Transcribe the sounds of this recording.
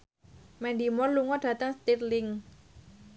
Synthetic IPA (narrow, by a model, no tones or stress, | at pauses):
mɛnd̪imɔrluŋɔɖ̥ä̤t̪əŋst̪irlɪŋ